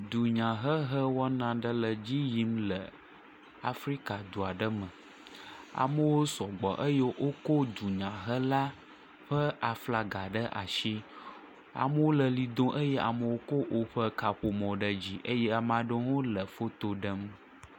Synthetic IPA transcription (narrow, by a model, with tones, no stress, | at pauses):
d̪u˨ɲã˨ɦə˦ɦə˦wɔ˦nã˨ɖə˦lə˨d͡ʑi˦ji˦mlə˨ | a̰˨fɾi˦ka˨d̪u˨a˨ɖə˦mə̃˨ | a̰˨mə˦wo˦sɔ˨ɡ͡bɔ̰˨ʔə˦jɛ˦ʔo˦ko˦d̪u˨ɲã˨ɦə˦la˦ | ɸə˦a˨fla˨ɡa˨ɖə˦ʔa̰˨ʃi˦ | a̰˨mə˦wo˦lə˨li˨d̪õ˦ʔə˦jɛ˦a̰˨mə˦˨wo˦ko˦ʔo˦ɸə˦ka˨ɸo˨mɔ̃˨ɖə˦d͡ʑi˦ʔə˦jɛ˦a˨mã˨ɖə˦ŋo˦lə˨fo˦t̪o˨ɖə˦m